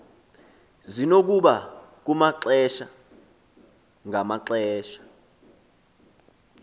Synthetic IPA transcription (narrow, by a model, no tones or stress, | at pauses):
zinok̬uɓak̬umaǁɛʃa | ŋʱamaǁɛːʃḁ